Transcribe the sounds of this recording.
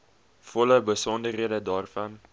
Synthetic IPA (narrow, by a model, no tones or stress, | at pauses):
fɔləbəsɔndəriədədɑːrfɐn